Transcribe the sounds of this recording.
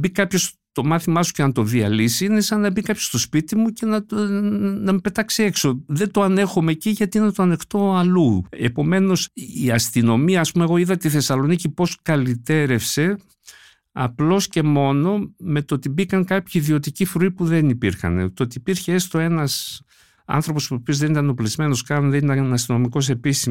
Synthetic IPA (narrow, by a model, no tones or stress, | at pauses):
bikɐpço̞s | t̪o̞mɐθimɐsu̥ce̞nɐt̪o̞ðiɐ̰lisiinesɐnːɐbikɐpço̞st̪o̞spit̪imuce̞nɐ | nɐmepe̞t̪ɐksie̞kso̞ðe̞d̪oɐnexome̞ciʝɐt̪inɐt̪oɐnext̪o̞ɐlue̞po̞me̞no̞siɐst̪ino̞miɐːspume̞ɣo̞iðɐt̪eiθe̞sɐlo̞nicipo̞skɐlit̪e̞ɾe̞fse̞ | ɐ̰plo̞sce̞mo̞no̞me̞t̪ot̪ibikɐŋkɐpçiːðio̞t̪icifɾoipuðe̞nipiɾxɐ̰nḛt̪ot̪iːpiɾçeest̪o̞e̞nɐs | ɐ̰nθɾo̞po̞spuopiozðenit̪ɐnoplizme̞no̞skɐnnðeniɐnɐst̪ino̞miko̞s̬e̞pis